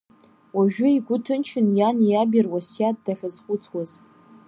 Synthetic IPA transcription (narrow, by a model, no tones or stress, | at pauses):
waʒᶣʊiɡʷʊtʰɨnt͡ʃʰɪnjanijabɪrwasjat̚daχʲəzχʷʼʊt͡sʰwaz